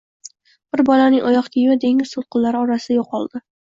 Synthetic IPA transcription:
b̥ɪɾbɒlanɪŋʔɒjɒqk̪ʲʰijmad̪e̞ŋɪzsʊt̪̚qʰʊlˠːaɾɪɒɾasɪd̪ajoqɒlˠd̪̥ɪ

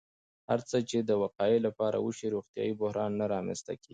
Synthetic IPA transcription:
haɾt͡sət͡ʃed̪əwaqɑelapɑɾa̰wəʃiɾoxt̪jɑ̰jibʊhɾɑnːaɾɑmɛ̰nst̪a̰kii

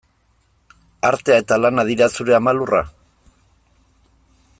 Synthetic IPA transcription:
aɾt̪e̞ae̞t̪alanaðiɾasuɾe̞amalura̰

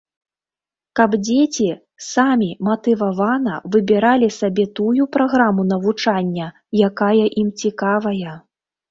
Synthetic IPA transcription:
kɐbd͡zʲet͡sʲi | samʲimɐt̪ɨvavanɐ̰vɨbʲiɾalʲisabʲɛt̪ujupɾaɣɾamun̪ɐvut͡ʂanʲːɐ | jakajɐʔimt͡sʲikavɐjɐ

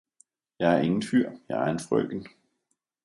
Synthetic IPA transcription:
jɑ̈ɪæɐe̝ŋn̩fyɐ̰jɑ̈ɪæɐenfʁœ̰ɡ̥n̩

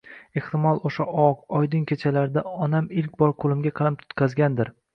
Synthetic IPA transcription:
e̞ht̪ɪmɒlˠoʃaʔɒqɒjd̪ɪŋkʲʰet͡ʃʰalaɾd̪aɒnamɪlkʲbɒɾqʰolˠɪmɡʲaqʰɨlˠɪp̚t̪ʰʊ̥t̪kʲʰazɡʲand̪ɪɾ

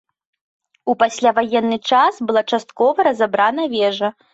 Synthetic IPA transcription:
upasʲlʲavajɛnːɨt͡ʂasbɨlˠat͡ʂast̪̚kɔvɐɾɐzabɾanɐvʲɛʐɐ

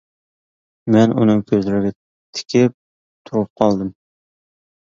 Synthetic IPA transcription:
mɛnunɨŋkʲʰøzlɪɾɪɡʲɛ | t̪ʰɪ̥kʲɪp̚ | t̪ʰuɾup̚qʰɑlˠd̪ɨm

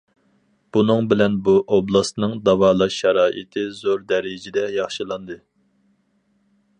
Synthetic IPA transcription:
b̥unɨŋbɪlɛnbuʔoblˠɑsnɨŋd̪ɑvɑːlˠɑʃːɑɾɑːʔḭt̪ʰɨzoɾd̪ɛɾɪd͡ʒɪd̪ɛjɑχʃɨlˠɑnd̪ɨ

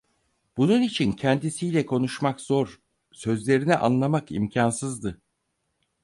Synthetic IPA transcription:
b̥ununit͡ʃʰincʰɛnd̪isijlʲɛkʰo̞nuʃmakz̥oɾ | sø̞zlʲe̞ɾiniʔa̰nlˠamakḭmcʰansɯzd̪ɯ

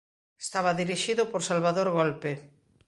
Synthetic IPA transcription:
est̪aβaðiɾiʃiðʊpoɾsalβaðoɾɣolpe

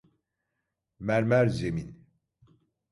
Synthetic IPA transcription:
mæɾmæɾzemin

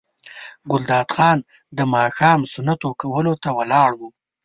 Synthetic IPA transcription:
ɡʊld̪ɑːd̪xɑn | d̪əmɑxɑmsʊnat̪okawəlot̪awalɑɽwu

